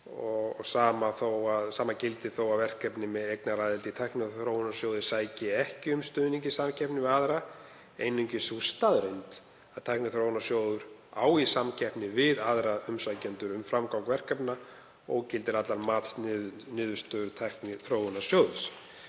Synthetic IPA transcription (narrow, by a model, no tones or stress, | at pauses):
ɔɣsaːmaθowaðsaːmacɪlt̪ɪ̥θowaðvɛr̥kɛpnɪmɛðejknaɾaːjðɪlt̪it̪ʰajhknɪθɾoːwʏnasjowðɪsaːjcɪɛhcɪʏmst̪ʏːðniɲcɪsamcʰɛpnɪvɪðaðɾa | eːjnʏɲcɪsust̪aðɾejnt̪ | aðt̪ʰajhknɪθɾowɪnasjoːwðʏɾaːwisamcʰɛhpnɪvɪðaðɾaʏmsajcʏnt̪ʏɾʏmfɾamkawŋkvɛr̥kɛpna | ɔɣcɪlt̪ɪɾat̪laɾmaːt̪snɪʏnɪːðʏst̪œðʏt̪ʰajhknɪθɾoːwʏnasjoːwðʏs